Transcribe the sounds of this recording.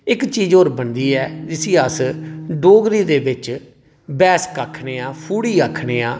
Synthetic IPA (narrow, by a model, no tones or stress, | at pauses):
ɪkt͡ʃiːd͡ʒoːɾbənd̪iːɛːd͡ʒɪsĩːəsɖoːɡɾiːd̪eːbɪt͡ʃ | bɛːskaːkʰneːaːpʰuːɽiːaːkʰːɳeːaː